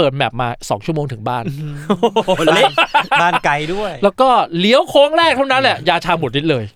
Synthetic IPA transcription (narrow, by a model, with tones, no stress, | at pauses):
ɤː˨˩t̪̚bɛː˨˩p̚maː˧sɔ̰˩˦ŋt͡ɕʰu˥˩əmoː˧ŋt̪ʰɯ˩˦ŋbaː˥˩n˧ | nlaː˥˩nka˧jdu˥˩əjlɛː˦˥wkɔː˥˩li˦əwkʰoː˦˥ŋɾɛː˥˩k̚t̪ʰa˥˩wna˦˥nlɛ˨˩jaː˧t͡ɕʰaː˧mo˨˩t̪̚ni˦˥t̪̚lɤː˧j